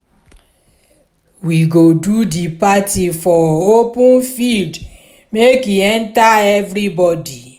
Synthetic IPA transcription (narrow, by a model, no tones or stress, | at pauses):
wiɡodudipatifɔopũnfild | mekiɛ̃ntaɛvɾibɔdi